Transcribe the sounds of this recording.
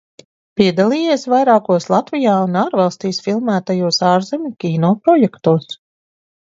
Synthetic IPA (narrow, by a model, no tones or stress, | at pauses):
pʲiɛd̪alˠiːjeɛsvajɾaːkuɔslˠat̪vijaːunaːɾvalˠst̪iːsfilˠmæːt̪ajuɔsaːɾzemʲukʲiːnɔːpɾɔjɛkt̪uɔs